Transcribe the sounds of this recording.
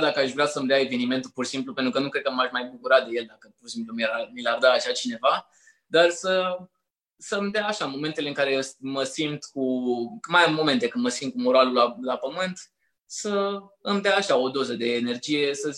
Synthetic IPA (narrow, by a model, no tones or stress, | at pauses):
d̪akəaʃvɾat̪səmd̪eae̞ve̞nime̞nt̪ulpursimplupe̞nt̪ɾukənukɾe̞d̪̚kəmaʃmajbukuɾad̪e̞je̞ld̪akəpursimplumiɾamilard̪aːʃat͡ʃine̞va | d̪arsə | səɨmd̪eaːʃamo̞me̞nt̪e̞leɨŋkaɾe̞sməsimt̪kumajamo̞me̞nt̪e̞kɨnd̪məsimt̪̚kumoɾoalulalapəmɨnt̪ | səɨmd̪eaːʃao̞d̪o̞zəd̪e̞ːne̞rd͡ʒije̞sə